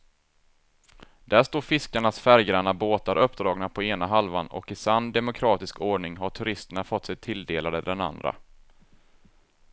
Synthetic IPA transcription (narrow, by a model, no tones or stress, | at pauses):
d̪̥æːʂt̪oːɾfɪskaɳasfæɾjɾanaboːt̪aɾʔœpːd̪ɾɑːɡnapʰɔeːnaɦalvanɔ̰kɪsand̪ɛmʊkʰɾɑːt̪ɪskʰoːɳɪŋɦaʈʰɵɾɪst̪əɳafɔt̪ːsɛjt̪ʰɪld̪eːlad̪əd̪ɛna̰nd̪ɾa̰